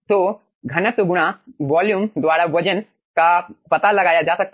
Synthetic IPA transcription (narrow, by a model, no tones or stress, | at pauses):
t̪oː | ɡʱɐnəsoɡuɽ̃aʋaːljuːmd̪ʋaːɽaʋɐd͡ʒən | kapɐt̪alɐɡaːjad͡ʒaːsɐk̚t̪